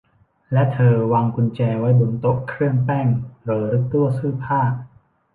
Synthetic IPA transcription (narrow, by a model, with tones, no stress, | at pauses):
lɛ˦˥ʔt̪ʰɤː˧waː˧ŋku˧nt͡ɕɛː˧wa˦˥jdu˧˩nt̪o˦˥kʰɾɯ˥˩əŋpɛː˥˩ŋloː˧˩ɾɯ˦˥k̚t̪u˥˩əsɯː˥˩pʰaː˥˩k̚